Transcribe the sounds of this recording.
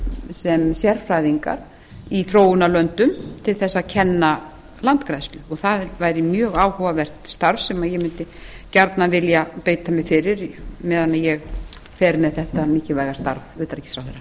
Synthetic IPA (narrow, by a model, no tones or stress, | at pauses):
sɛmsjɛɾfɾajðiŋka̰ɾ̥ | iθɾoːwʏnalœnt̪ʏmt̪ʰɪlθɛsːaðcʰɛnːa | lant̪kɾajst̪lʏɔɣθaðvaːjɾɪmjœːɣaːwhɔvavɛr̥t̪st̪aɾvsɛmajɛmʏnt̪ɪ | caɾt̪navɪljapeːjt̪amɪfɪɾɪɾmɛːðanːajɛɣ | fɛːɾmɛðθɛht̪amɪːcɪvaːjɣast̪a̰ɾvʏːt̪aɾcɪ̥sɾawfθɛɾːa